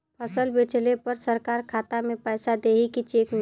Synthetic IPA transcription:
pʰəsəlbeːt͡ʃlepɐɾsəɾkaːɾkʰaːt̪amẽpɛːsad̪eːɦikit͡ʃeːkn

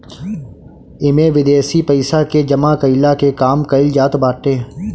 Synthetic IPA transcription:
ɪmẽːʋɪd̪eːsipɐɪsaked͡ʒəmakəɪlakekaːmkəɪld͡ʒaːt̪baːʈẽː

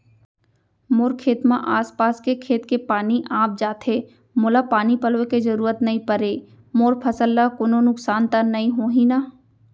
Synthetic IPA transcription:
mʊːɾkʰeːt̪mã̰ʔaːspaːskekʰeːt̪kepaːniʔãːp̚d͡ʒaːt̪ʰeː | moːlapaːnipɐlʋekezɐɾuːɾət̪nɐɦĩpəɾeː | moːɾpʰəsəlːakononʊksaːnt̪anɐĩɦõːɦĩnaː

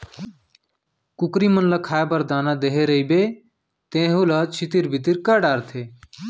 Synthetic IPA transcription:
kukɾimənləkʰaːebəɾd̪aːnad̪eɦeɾəibe | t̪ẽːɦulət͡ʃʰit̪iɾbʱit̪iɾkəɖaːɾt̪ʰe

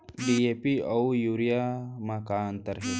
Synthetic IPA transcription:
ɖiepiawjuːɾijamakaːnt̪ɐɾɦi

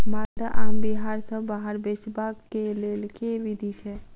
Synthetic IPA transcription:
mad̪əʔambiɦaɾsə̃baɦəɾbet͡ʃbakːelelkeʋid̪ʱit͡ʃʰɛ

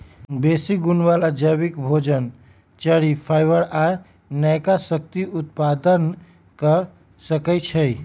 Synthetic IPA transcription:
besiɡunbaləɾd͡ʒəβikbʱod͡ʒən | t͡ʃəɽipʰajbəɾa | nəjkasək̚t̪iʔut̪̚pad̪ən | kə | səkɛt͡ʃʰə

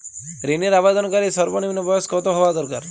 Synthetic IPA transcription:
ɾiniɾabad̪ɔnɔkaɾisɔɾbɔniminɔbɔjɔskɔt̪ɔɦoʋad̪ɔɾkaɾ

